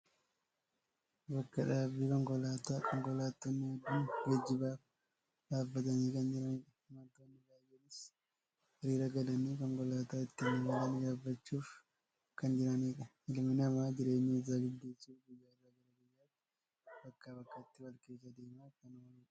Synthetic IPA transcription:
bɐkːɐᶑaːbiːkɔŋkɔlaːt̪aːkʼɔŋkɔlaːt̪ːɔnːɪɐd̪ːunɡɐd͡ʒːɪbaːf | d̪aːbːɐt̪ɐniːkɐnd͡ʒɪɾɐniːᶑɐhɪmɐnt̪oːnːɪɡaːjɛnɪs | hɐɾiːɾɐɡɐlɐniːkɔŋkɔlaːt̪aːɪt̪ːɪmɐmɐlɐnɪd̪aːbːɐt͡ʃːuːf | kɐnd͡ʒɪɾɐniːᶑɐ | ɪlmɪnɐmaːd͡ʒɪɾe̞ːɲːɪɪzaːɡɪd̪ːeːsuːfɡʊjːaːrɐɡɐlɐɡɪjːaːt̪ːɪ̥ | bɐkːaːbɐkːɐt̪ːɪwɐlkeːsɐd̪eːmaːkːɐnɐwɐɾᶑɐ̥

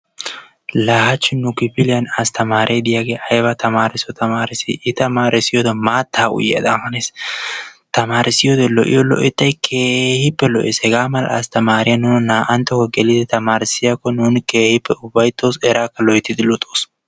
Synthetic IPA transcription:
laːhɐt͡ʃːɪnːʊkɪpɪlɪjɐnɐst̪ʰɐmaːɾʔeːd̪ɪjaːɡeːʔɐjbɐt̪ɐmaːɾɪsɔt̪ɐmaːɾɪsɪ̰ʔɪt̪ɐmaːɾɪsɪjɔd̪ɐmaːt̪ʰːaːʊ̰jɐ̰d̪amɐnes | t̪ɐmaːɾɪsɪjɔd̪ɛlɔ̰ʔɪ̰jɔlɔ̰ʔɛt̪ːɐjkʰe̞ːhɪpːɛlɔ̰ʔɪshɛɡaːmɐlɐst̪ɐmaːɾɪjɐnːuːnnaːʔɐnt̪ːɔkɔɡɛlɪd̪ɛt̪ɐmaːɾɪsɪjɐkːɔnuːnke̞ːhɪpːɛʊbːɐjt̪ːoːsɛɾaːkːɐlɔʔɪt̪ːɪd̪ɪlʊt̪ʼːoːs

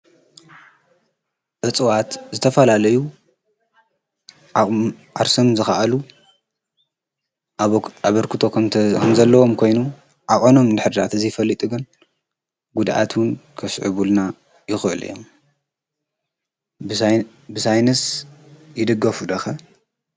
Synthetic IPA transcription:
ʔɨt͡sʼɨwat̪zɨt̪ʰɐfɐlalɐju | ʔaɾsomzɨxaʔalu | aβɐɾkʰɨt̪ʰo̞kʰkʰɐmzɐlːɐwo̞mkʰo̞jnu | ʔaχʼono̞md̪ɨħɨɾd̪at̪ɨzijfɐlːit̪ʼɨɡɨn | ɡud̪ʔa̰t̪wʊn | kʰɐsʕɨ̰βulna | jɪxʔɨl̰jo̰m | bɨsajnɐsjɪd̪ɨɡːɐfud̪ɐxɐ

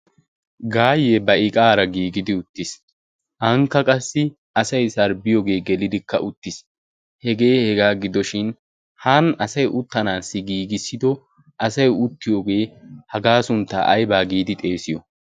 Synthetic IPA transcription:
ɡaːjebɐʔɪkʼaːɾɐɡiːɡɪd̪ɪʊt̪ːɪs | ʔɐŋkːɐkʼɐsːɪ | ɐsɐjsɐɾbɪjoːɡe̞ːɡɛlɪd̪ɪkːɐ̰ʔʊt̪ːɪs | hɛɡe̞ːhɛɡaːɡɪd̪ɔʃɪn | haːnɐsɐjʔʊt̪ːɐnaːsːɪɡiːɡɪsːɪd̪ɔ | ʔɐsɐjʊt̪ːɪjoːɡe̞ːhɐɡaːsʊnt̪ːa̰ʔɐ̰jbaːɡiːd̪ɪt̪ʼe̞ːsɪjɔ

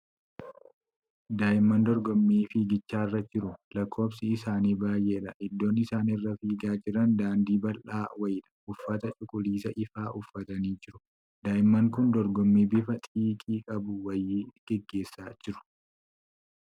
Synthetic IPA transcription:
d̪aːjɪmːɐnd̪ɔɾɡɔmːiːfɪɡɪt͡ʃːaːɪrːɐd͡ʒɪɾʊlɐkʰːo̞ːbsɪɪsaːniːbaːjʔeːɪᶑɐʔɪd̪ːo̞ːnɪsaːnɪrːɐfiːɡaːd͡ʒɪɾɐnd̪aːnd̪iːbɐlʔaːwɐjɪᶑɐ̥ʔʊfːɐt̪ɐt͡ʃʼʊkʼʊliːsɐʔɪfaːʔʊfːɐt̪ɐniːd͡ʒɪɾʊ̥ | d̪aːɪmːɐŋkʊnd̪ɔɾɡɔmːiːbɪfɐt̪ʼiːkʼiːkʼɐbʊwɐjːɪɡ̥ɛɡːe̞ːsːaːd͡ʒɪɾʊ̥

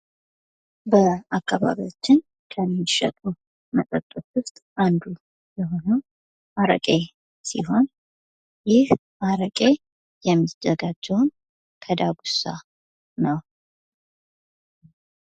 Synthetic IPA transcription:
bəakːaβa̰βiot͡ʃːɪn | kʰəmːɪʃə̰t̪ʼu | mət̪ʼət̪ʼːət̪wʊst̪ʼand̪u | jɛɦo̞nəw | ʔaɾə̰kʼe̞ | sḭɦo̞n | jɪh | ʔaɾəkʼe̞ | jɛmːizəɡad͡ʒːɛwn | kʰəd̪aɡusa̰ | nəw

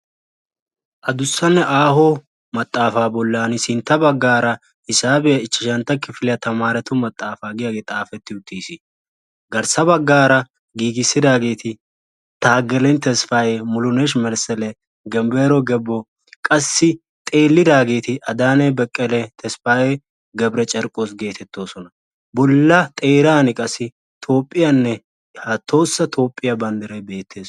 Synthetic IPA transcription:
ʔɐd̪ʊsːɐnːɛʔaːhɔ | mɐt̪ʼːaːfaːbɔlːaːnɪsɪnt̪ːɐbɐɡːaːɾɐ | ɪsaːbɛjɐɪt͡ʃːɪʃɐnt̪ːɐkːɪfɪlɪjɐt̪ɐmaːɾɛt̪ʊmɐt̪ʼːaːfaːɡɪjaɡeːt̪ʼaːfɛt̪ːɪʊt̪ːiːsɪ | ɡɐɾsɐbɐɡːaːɾɐ | ɡiːɡɪsːɪd̪aːɡe̞ːt̪ɪ | t̪aːɡɛlɛnt̪ɛsfaːjemʊlʊnɛʃmɛɾsɛlɛ | ɡɛmbeːɾɔɡɛbːɔ | kʼɐsːɪ | t̪ʼe̞ːlːɪd̪aːɡe̞ːt̪ɪʔɐd̪aːnɛbɛkʼːɛlɛt̪ʰɛsfaːje | ɡɐbɾɛt͡ʃʼɐɾkʼo̞ːs̬ɡe̞ːt̪ʰɛt̪ːo̞ːsɔnɐ | bɔlːɐt̪ʼe̞ːɾaːnɪkʼɐsːɪ | t̪ʰo̞ːpʼːɪjanːɛ | hɐt̪ʰːo̞ːsːɐt̪ʰo̞ːpʼːɪjɐbɐnd̪ɐɾɛbe̞ːt̪ʰːe̞ːs

